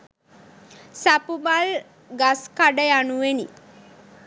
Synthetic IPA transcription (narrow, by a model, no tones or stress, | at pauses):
sapumal | ɡaskaɖəjanuʋenḭ